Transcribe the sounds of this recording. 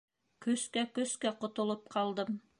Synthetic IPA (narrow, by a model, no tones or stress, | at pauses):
kɵskækɵ̆skæqŏt̪ŏlˠop̚qʰɑlˠd̪ɤm